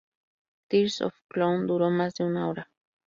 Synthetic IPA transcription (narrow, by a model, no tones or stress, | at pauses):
t̪iɾso̰fklond̪uɾomasd̪iunawɾa